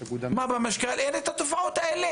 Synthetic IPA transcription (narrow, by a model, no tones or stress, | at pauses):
ɡud̪mabamaʃkalʔenet̪hat̪ofaʕot̪aele